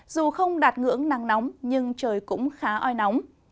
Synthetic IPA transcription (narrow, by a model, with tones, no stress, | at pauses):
z̥u˨˩xə˧wŋ͡mɗaː˨˩t̚ŋɨ̰˧˥əŋnaː˨˩ŋnɔ˨˦wŋ͡mɲɨ˧ŋt͡ɕəː˨˩jkʊ̰˧˥ŋ͡mxaː˨˦ʔɔ˧jnɔ˨˦wŋ͡m